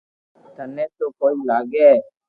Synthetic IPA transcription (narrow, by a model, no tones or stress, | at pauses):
t̪ɐnːesukoːjilaːɡe